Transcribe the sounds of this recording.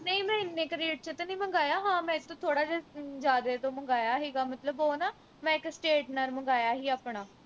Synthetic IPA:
nəĩːmɛ̃ːɪnːẽːkəɾiːəʈt͡ʃʰət̪ːnĩːməŋɡaːjaːɦãːmɛ̃ːɪt̪ʰːõːt̪ʰoːɽaːd͡ʒaːd͡ʒaːd̪eːt̪õːməŋɡaːjaːɦiːɡaːmət̪ləbɦoːnaː | mɛ̃ːɪksʈeːʈnəɾməŋɡaːjaːɦiːaːpɳaː

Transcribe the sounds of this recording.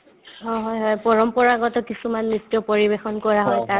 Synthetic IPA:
ɦɔɦɔjɦɔjpɔɹɔmpɔɹaɡɔtɔkisumanːitːjɔpoɹibexɔnkɔɹaɦɔjta

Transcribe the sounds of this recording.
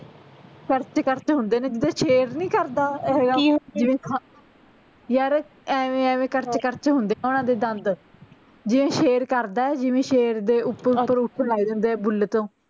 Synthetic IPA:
kəɾt͡ʃkəɾt͡ʃɦʊnd̪eːnẽːd͡ʒɪd̪aːʃeːɾnĩːkəɾd̪aːɦeːɡaːd͡ʒɪʋẽː | jaɾ | ɛːʋẽːɛːʋẽːkəɾt͡ʃkəɾt͡ʃɦʊ̃nd̪eːnẽːʊnãːd̪eːd̪ənd̪ | d͡ʒɪʋẽːʃeːɾkəɾd̪aːɛd͡ʒɪʋẽːʃeːɾd̪eːʊpːəpːəɾʊpːəɾlaːiːd̪ẽːnd̪eːbʊlːeːt̪õː

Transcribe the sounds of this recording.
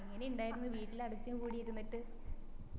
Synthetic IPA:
iŋːɐneuɳɖaːjiɾunːuʋiːʈːilɐɽut͡ɕːaːkuːɽijeðunːiʈːɨ

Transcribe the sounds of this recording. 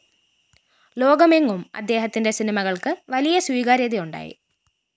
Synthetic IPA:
lo̞ːɡɐmeŋːumɐ̰d̪ːe̞ːɦɐt̪ːinde̞sinimɐɣɐɭkɨʋɐlijɐswiːɣaːɾjɐðijuɳɖa̰ːjḭ

